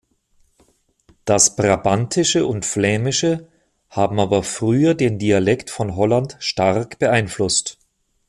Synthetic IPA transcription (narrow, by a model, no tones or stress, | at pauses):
d̥asb̥ʁabantʰɪʃəʊntflɛːmɪʃə | haːbm̩aːbɐfʁ̥yːɐdeːndialɛktfɔnɦɔlantʃtaʁkb̥əʔaɪnflʊst